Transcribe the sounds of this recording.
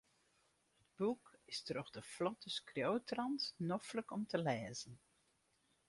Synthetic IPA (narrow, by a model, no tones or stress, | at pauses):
həd̚bukɪstərɔχdəflɔtəskrjowtrɑntnɔfləkɔmtʰəlɛːzən